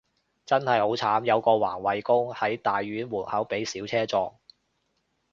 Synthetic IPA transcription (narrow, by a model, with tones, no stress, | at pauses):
t͡sɐ˥nhɐ˨jho˨˥wt͡sʰaː˨˥mjɐ˨˧wkɔː˧wa̰ː˨˩nwɐ˨˧jkʊ˥ŋhɐ˨˥jt̪aː˨jɥyː˨˥nwuː˨˩n̚hɐ˨˥wpe˨˥jsiː˨˥wt͡sʰɛː˥t͡sɔː˧ŋ